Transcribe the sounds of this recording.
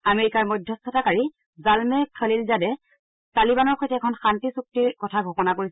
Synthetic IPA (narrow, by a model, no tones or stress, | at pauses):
ameɹikaɹmɔjdʱjɔstʰɔtakaɹi | zalmɛkʰəlilzadɛ | talibanɔɹxɔjtʰɛɛkʰɔnxantisuk̚tiɹkɔtʰaɡʱokɔnakoɹi